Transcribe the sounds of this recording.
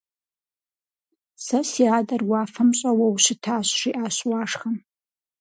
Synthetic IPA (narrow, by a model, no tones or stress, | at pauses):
sɐsiaːdɐrwaːfɐmɕʼɐwɐwɕɪtʰaːɕʂiʔaːɕwaːʂχɐm